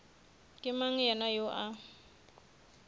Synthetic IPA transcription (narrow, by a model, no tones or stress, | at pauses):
kʼɪmaŋ̩jɛnajoʔa